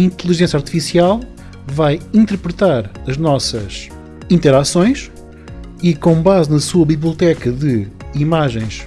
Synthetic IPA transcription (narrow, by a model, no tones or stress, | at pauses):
ĩnt̪lˠiʒẽsjaɾt̪i̥fisialˠ | vajĩnt̪ɨɾpɾɨt̪aɾɐʒnɔsɐ̰ʃ | ĩnt̪ɛɾasõj̃ʃ | ikõbaznɐsuɐβiβlˠiut̪ɛkɐðɨimaʒẽj̃ʃ